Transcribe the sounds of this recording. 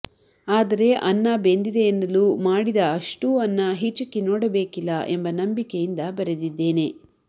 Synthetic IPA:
aːd̪ɐɾe̞ʔɐnːɐbend̪id̪eːnːɐlumaːɽid̪ɐːʂʈuːɐnːɐɦit͡ʃːɐkːenɔːɽɐbe̞ːkilːɐʔe̞mbɐnɐmbikejind̪ɐbɐɾed̪id̪ːe̞ːne̞

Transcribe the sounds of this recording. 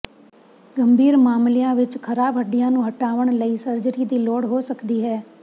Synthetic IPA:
ɡəmbʱiːɾmaːmlɪjãːʋɪt͡ʃkʰəɾaːbɦəɖɪjãːnũːɦəʈaːʋəɳ̃ləiːsəɾd͡ʒɾiːd̪iːloːɽɦoːsəkd̪iːɦɛː

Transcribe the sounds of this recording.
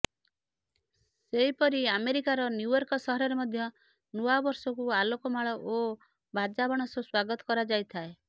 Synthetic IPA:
seipɔɾiameɾikaɾɔnjujɔɾkɔsɔɦɔɾɔɾemɔd̪ʱjɔ | nuabɔɾsɔkualokɔmaɭɔʔo | bad͡ʒabɔɽ̃ɔsɔswaɡɔt̪ɔ̥kɔɾad͡ʒajt̪ʰae

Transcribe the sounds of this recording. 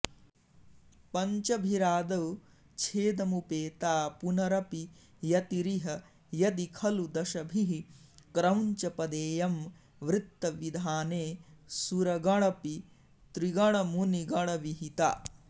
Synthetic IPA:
pɐɲt͡ʃɐbʱiɾaːd̪ɐw | t͡ʃʰeːd̪ɐmupeːt̪aːpunɐɾɐpi | jɐt̪iɾiɦɐ | jɐd̪ikʰɐlud̪ɐʃɐbʱiɦikɾɐwɲt͡ʃɐpɐd̪eːjɐm | ʋɾɪt̪ːɐʋid̪ʱaːneːsuɾɐɡɐɭ̃ɐpi | t̪ɾiɡɐɭɐmuniɡɐɭɐʋiɦit̪a̰ː

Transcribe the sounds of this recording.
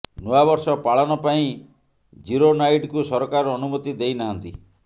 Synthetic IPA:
nuabɔɾsɔpaɭanɔpaĩ | d͡ʒiɾonajʈkusɔɾɔkaɾɔːnumɔt̪id̪ejnaɦant̪i

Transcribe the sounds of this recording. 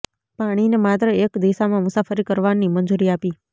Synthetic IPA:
paɽ̃inemat̪ɾəekd̪isamãmʊsafəɾikəɾʋanimənd͡ʒuɾiapi

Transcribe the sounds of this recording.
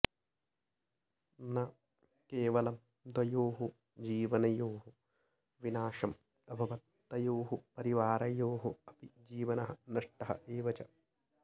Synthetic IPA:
nɐ | keːʋɐlɐm | d̪wɐjoːɦu | d͡ʒiːʋɐnɐjoːɦu | ʋinaːʂɐm | ɐbʱɐʋɐt̪ːɐjoːɦupɐɾiʋaːɾɐjoːɦuɐpid͡ʒiːʋɐnɐɦɐnɐʂʈɐɦɐ̰ʔeːʋɐt͡ʃɐ

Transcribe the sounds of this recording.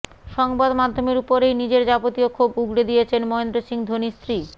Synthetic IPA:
ʃɔŋbad̪mad̪ʱːomeɾupoɾejnid͡ʑeɾd͡ʑapot̪iokʰobuɡɽed̪ijet͡ɕʰenmɔend̪ɾoʃiŋd̪ʱonist̪ɾi

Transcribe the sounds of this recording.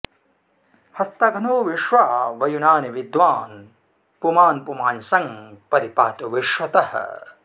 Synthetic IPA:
hɐst̪ɐɡʱɐnoːʋiʃʋaːʋɐjunaːniʋid̪ʋaːn | pumaːnpumaːnsɐŋpɐɾipaːt̪uʋiʃʋɐt̪ɐhɐ̰

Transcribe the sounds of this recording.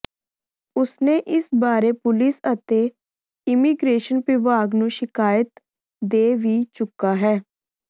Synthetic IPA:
ʊsneːʔɪsbaːɾeːpʊlɪsət̪eː | ɪmiːɡɾeːʃənpɪʋaːɡnũːʃɪkaːjət̪ | d̪eːʋiːt͡ʃʊkːaːɦɛː

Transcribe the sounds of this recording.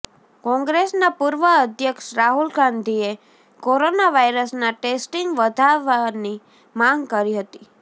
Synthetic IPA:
kɔ̃ŋɡɾesnapuɾʋəəd̪ʱjəkʃɾaɦulɡãnd̪ʱie | koɾonaʋajɾəsnaʈesʈiŋɡʋəd̪ʱaʋani | mãŋɡkəɾiɦət̪i

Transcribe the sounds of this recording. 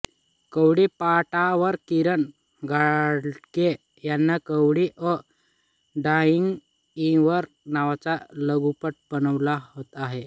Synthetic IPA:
kəwɽipaʈaʋəɾkiɾəɳ | ɡʱaɽke | janːakəwɽiʔə | ɖaiŋɡ | ĩʋəɾ | naʋat͡saləɡupəʈ̚bənəʋlaɦot̪aɦe

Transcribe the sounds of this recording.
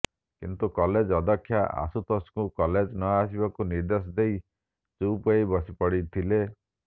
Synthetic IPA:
kint̪ukɔled͡ʒɔd̪ɔkʰːjaʔa̰sut̪ʰɔskukɔled͡ʒnɔasibakuniɾd̪es̬ɔd̪ei | t͡ʃuupɔibɔsipɔɽit̪ʰile

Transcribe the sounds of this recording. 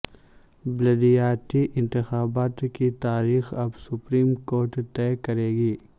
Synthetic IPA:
blɐd̪ijaːt̪iʔɪ̃nt̪ɪxaːbaːt̪kit̪aːɾiːxɐbsʊpɾiːmkoːɾʈt̪ɛːkɐɾeːɡiː

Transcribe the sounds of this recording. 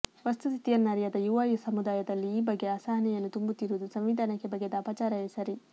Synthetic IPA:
ʋɐst̪usit̪ijɐnːaːɾijɐd̪ɐjuʋaːjusɐmud̪aːjɐd̪ɐlːiːbɐɡːeaːsaːɦɐnɛjɐnːut̪umbut̪ːiɾuud̪usɐmʋid̪ʱaːnɐkːebɐɡːed̪ɐpaːt͡ʃaːɾɐesɐɾi

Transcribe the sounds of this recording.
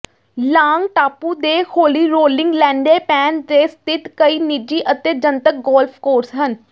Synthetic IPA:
laːŋɡʈaːpuːd̪eːhʰoːliːɾoːlɪŋɡlɛ̃ːɳɖeːpɛːnd̪eːst̪ɪt̪kəiːnid͡ʒiːʔət̪eːd͡ʒənt̪ək̚ɡɔːlpʰkoːɾsɦən

